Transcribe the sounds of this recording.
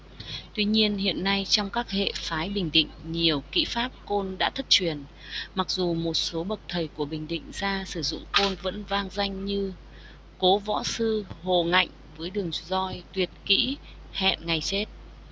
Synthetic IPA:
t̪wi˧ɲi˧ənhḭ˧˨ənːa˧jt͡ɕɔ˧wŋ͡mkaː˦˥k̚hḛ˧˨faː˨˦jɓï˨˩ŋ̟ɗḭ̈˧˨ŋ̟ɲi˨˩əwkḭ˧˥faː˦˥p̚ko˧nɗa̰ː˧˥t̪ʰə˦˥t̚t͡ɕwi˨˩ən | ma˨˩k̚zu˨˩mo˨˩t̚so˨˦ɓə˨˩k̚t̪ʰə˨˩jku˧˩əɓï˨˩ŋ̟ɗḭ˧˨ŋ̟zaː˧sɨ˧˩zʊ̰˧˨ŋ͡mko˧nvə̰˧˥nvaː˧ŋza˧jŋ̟ɲɨ˧ | ko˨˦vɔ̰˧˥sɨ˧ho˨˩ŋa̰˧˨jŋ̟vəː˨˦jɗɨ˨˩əŋzɔ˧jt̪wi˨˩ət̚kḭ˧˥ | hɛ̰˧˨nŋa˨˩jt͡ɕe˦˥t̚

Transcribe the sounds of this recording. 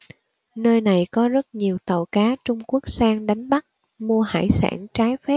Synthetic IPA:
nəː˧jna˨˩jkɔ˨˦zə˦˥t̚ɲi˨˩əwt̪ə˨˩wkaː˨˦t͡ɕʊ˧ŋ͡mku˦˥ək̚saː˧ŋɗa˨˦jŋ̟ɓa˦˥t̚ | mu˧əha̰ː˧˩jsa̰ː˧˩nt͡ɕaː˨˦jfɛ˦˥p̚

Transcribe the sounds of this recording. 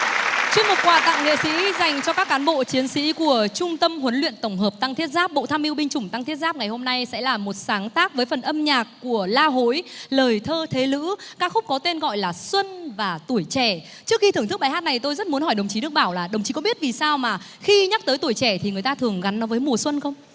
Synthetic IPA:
t͡ɕɨ˧əŋ̚mo˨˩t̚kwaː˨˩t̪a̰˧˨ŋŋḛ˧˨sḭ˧˥za˨˩jŋ̟t͡ɕɔ˧kaː˦˥kːaː˨˦nɓo̰˧˨t͡ɕi˨˦ənsḭ˧˥ku˧˩ət͡ɕʊ˧ŋ͡mt̪ə˧mhwə˨˦nlwḭ˧˨ənt̪ə˧˩wŋ͡mɦəː˨˩p̚t̪a˧ŋt̪ʰi˦˥ət̚zaː˦˥p̚ɓo̰˧˨t̪ʰaː˧mʔi˧wɓï˧ŋ̟t͡ɕʊ˧˩ŋ͡mt̪a˧ŋt̪ʰi˦˥ət̚zaː˦˥p̚ŋa˨˩jho˧mna˧jsɛ̰˧˥laː˨˩mo˨˩t̚saː˨˦ŋt̪aː˦˥k̚vəː˨˦jfə˨˩nʔə˧mɲaː˨˩kːu˧˩əlaː˧ɦo̰˧˥jləː˨˩jt̪ʰəː˧t̪ʰe˨˦lɨ̰˧˥kaː˦˥k̚xʊ˦˥k͡p̚kɔ˨˦t̪e˧nɣɔ̰˧˨jlaː˨˩swə˧nvaː˨˩t̪u˧˩əjt͡ɕɛ˧˩ | t͡ɕɨ˦˥ək̚xi˧ɨ˧˩t̪ɨ˦˥k̚ɓa˨˦jɦaː˦˥t̚na˨˩jt̪o˧jzə˦˥t̚mu˨˦nhɔ˧˩jɗə˨˩wŋ͡mt͡ɕi˨˦nɨ˦ək̚ɓaː˧˩wlaː˨˩ɗə˨˩wŋ͡mt͡ɕi˨˦kɔ˧˨˦ɓi˦˥ət̚vi˨˩saː˧wmaː˨˩ | xi˧ɲa˦˥t̪əː˨˦jt̪u˧˩jt͡ɕɛ˧˩t̪ʰi˨˩ŋ˨˩əjt̪aː˧t̪ʰɨ˨˩əŋɣa˨˦nːɔ˨˦vəː˨˦jmu˨˩əswə˧nxə˧wŋ͡m

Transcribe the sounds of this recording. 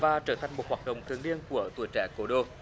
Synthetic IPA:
vaː˧˩t͡ɕəː˧˩t̪ʰa˨˩jŋmo˨˩t̚hwaː˨˩t̚ɗə̰˧˨wŋ͡mt̪ʰɨ˨˩əŋli˧ənku˧˩ət̪u˧˩ət͡ɕɛ̰˧˩ko˨˦ɗo˧

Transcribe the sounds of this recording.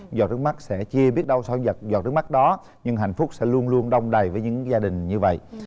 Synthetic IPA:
zɔ̰˨˩t̚ɗɨ˦˥k̚ma˦˥k̚sɛ̰˧˥t͡ɕi˧əɓi˦˥ət̚ɗə˧wsa˧wzɔ̰˨˩t̚ɗɨ˦˥k̚ma˦˥t̚ɗɔ˨˦ | ɲɨ˧ŋɦa̰˧˨jn̟fʊ˦˥k͡p̚sɛ̰˧˥lu˧ənlu˧ənɗə˧wŋ͡mɗə˨˩jvəː˨˦jɲɨ̰˧˥ŋzaː˧ɗï˨˩ŋ̟ɲɨ˧və̰˧˨jʔ

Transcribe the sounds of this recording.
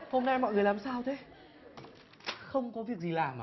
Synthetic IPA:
ho˧mna˧jmɔ̰˧˨jŋɨ˨˩əjlaː˨˩msaː˧wt̪ʰe˨˦ | xə˧wŋ͡mkɔ˨˦vi˨˩ək̚zi˨˩laː˨˩m˨

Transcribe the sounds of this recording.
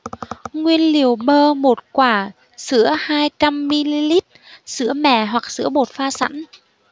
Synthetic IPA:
ŋwi˧ənli˨˩əwɓəː˧mo˨˩t̚kwaː˧˩ | sɨ̰˧˥əhaː˧jt͡ɕa˧mːi˧li˧li˦˥t̚sɨ̰˧˥əmɛ̰˧˩˨ɦwa˨˩k̚sɨ̰˧˥əɓo˨˩t̚faː˧sa̰˧˥n

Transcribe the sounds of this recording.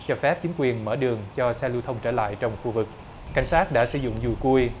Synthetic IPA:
t͡ɕɔ˧˩fɛ˦˥p̚t͡ɕi˨˦ŋ̟kwi˨˩ənmə̰ː˧˩ɗɨ˨˩əŋt͡ɕɔ˧sɛ˧lɨ˧wt̪ʰə˧wŋ͡mt͡ɕəː˧˩la̰ː˧˨jt͡ɕɔ˧wŋ͡mxu˧vɨ˨˩k̚ | kːa̰˧˩jŋ̟saː˦˥t̚ɗa̰ː˧˥sɨ̰˧˩˦zʊ̰˧˨ŋ͡mzu˨˩jku˧əj

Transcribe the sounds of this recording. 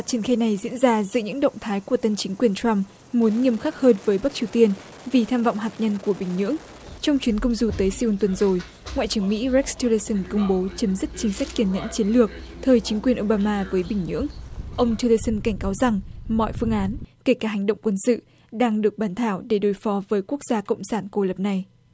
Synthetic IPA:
a˨˩t͡ɕi˧˩nxaː˧jna˨˩jzḭ˧˥ənzaː˧zɨ̰˧˥ɲɨ̰˧˥ŋɗə̰˧˨wŋ͡mt̪ʰaː˨˦jku˧˩ət̪ə˧nt͡ɕï˨˦ŋ̟kwi˨˩ənta˧mː | u˨˦ənŋi˧əmxaː˦˥k̚həː˧nvəː˨˦jɓa˦˥k̚t͡ɕi˨˩əwt̪i˧ən | vi˨˩t̪ʰaː˧mvɔ̰˧˨wŋ͡mɦaː˨˩t̚ɲə˧nku˧˩əɓï˧˩ŋ̟ɲɨ̰˧˥əŋ | t͡ɕɔ˧wŋ͡mt͡ɕwi˨˦ənkə˧wŋ͡mzu˨˧˩t̪əː˨˦jsi˧wnt̪wə˨˩nzo˨˩j | ŋwa̰˧˨jt͡ɕɨ˧˩əŋmḭ˧˥zɛ˦˥k̚sti˧lə˧sə˧nkə˧wŋ͡mɓo˨˦t͡ɕə˨˦mzi˦˥k̚t͡ɕï˨˦ŋ̟sa˦˥k̟̚ki˧˩ənɲə̰˧˥nt͡ɕi˨˦ənlɨ˨˩ək̚ | t̪ʰəː˨˩jt͡ɕï˨˦ŋ̟kwi˨˩ənʔo˧ɓaː˧maː˧vəː˨˦jɓï˧˩ŋ̟ɲɨ̰˧˥əŋʔə˧wŋ͡mt̪ʰi˧lə˧sə˧nka˧˩ŋ̟kaː˨˦wza˨˩ŋmɔ̰˧˨jfɨ˧əŋʔaː˨˦nke˧˩kaː˧˩ɦa˨˩jŋ̟ɗə̰˧˨wŋ͡mkwə˧nsɨ̰˧˨ | ɗaː˧ŋɗɨ˨˩ək̚ɓaː˨˦nt̪ʰaː˧˩wɗe˧˩ɗo˨˦jfɔ˨˦vəː˨˦jku˦˥ək̚z̥aː˧kə̰˧˨wŋ͡msaː˧˩nko˧lə˨˩p̚na˨˩j

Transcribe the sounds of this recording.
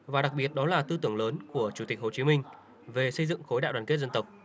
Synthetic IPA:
vaː˨˩ɗa˨˩k̚ɓi˨˩ət̚ɗɔ˨˦laː˨˩t̪ɨ˧t̪ɨ˧˩əŋləː˨˦nku˧˩ət͡ɕu˧˩t̪i˨˩k̟̚ho˨˩t͡ɕi˨˦mï˧ŋ̟ | ve˨˩sə˧jzɨ̰˧˨ŋxo˨˦jɗa̰ː˧˨wɗaː˧˩ke˦˥t̚zə˧nt̪ə˨˩wk͡p̚

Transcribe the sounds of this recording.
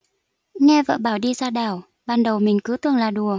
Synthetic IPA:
ŋɛ˧və̰ː˧˨ɓaː˧˩wɗi˧zaː˧ɗaː˧˩w | ɓaː˨˩nɗə˨˩wmï˨˩ŋ̟kɨ˨˦t̪ɨ˨˩əŋlaː˨˩ɗu˨˩ə

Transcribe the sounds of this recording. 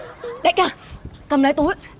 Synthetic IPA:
ɗe˨˧˥kaː˧˩kə˧˩mlaː˨˦jt̪u˨˦j

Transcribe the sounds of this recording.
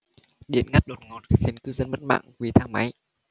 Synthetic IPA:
ɗḭ˧˨ənŋa˦˥t̚ɗo˨˩t̚ŋɔ˨˩t̚xi˨˩ənkɨ˧˦zə˧nmə˦˥t̚ma̰ː˧˨ŋvi˨˩t̪ʰaː˧ŋma˨˦j

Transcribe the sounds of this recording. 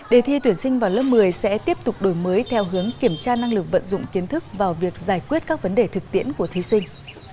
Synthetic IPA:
ɗe˧˩t̪ʰi˧t̪wi˧˩ənsï˧ŋ̟vaː˨˩wləː˦˥p̚mɨ˨˩əjsɛ̰˧˥t̪i˦˥əp̚t̪ʊ˨˩k͡p̚ɗo˧˩jməː˨˦jt̪ʰɛ˧wɦɨ˨˦əŋki˧˩əmt͡ɕaː˧na˧ŋlɨ˨˩k̚və̰˧˨nzʊ̰˧˨ŋ͡mki˨˦ənt̪ʰɨ˦˥k̚vaː˨˩wvi˨˩ək̚zaː˧˩jkwi˦˥ət̚kaː˦˥k̚və˨˦nɗe˨˩t̪ʰɨ˨˩k̚t̪ḭ˧˥ənku˧˩ət̪ʰi˨˦sï˧ŋ̟

